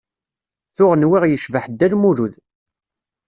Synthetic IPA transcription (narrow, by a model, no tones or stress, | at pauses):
θʊʁnwiʁjəʃvəħd̪ːælmuɾuð